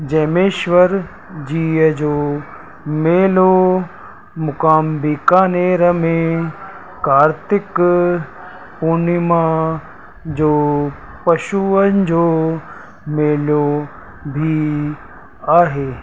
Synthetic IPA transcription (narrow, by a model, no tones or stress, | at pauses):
d͡ʒɐːmeːʃʋəɾ | d͡ʒijəd͡ʒoː | meːloː | mʊkaːmbikaːneːɾɐmẽ | kaːɾt̪ɪk | punimã | d͡ʒoː | pɐʃuənd͡ʒoː | meːlo | bʱi | aːɦeː